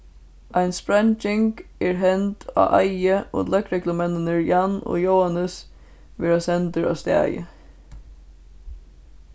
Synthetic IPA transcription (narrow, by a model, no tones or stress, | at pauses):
ʔæɪnspɹɑnd͡ʒɛŋkeːɹɦɛnt̪a̰ːʔæɪəo̰ːlœkɹɛɡləmɛnənəɹjɑno̰ːjoʊanəs | ʋeːɹasɛnt̪əɹɑ̰ːst̪ɛ̰jə̰